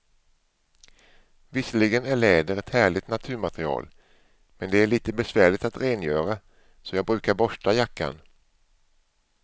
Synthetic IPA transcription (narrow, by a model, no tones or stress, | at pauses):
vɪsəlɪɡənæɭɛːd̪əɾɛt̪hæːɭɪt̪nat̪ʰʉ̟ːɾmat̪ɾɪɑ̰ːl | mɛnd̪ɛæɭiːt̪əbɛsvæːɭɪt̪at̪ɾeːnjœːɾa | sɔjɑːɡbɾʉ̟ːkaɾbɔʂʈajakːa̰n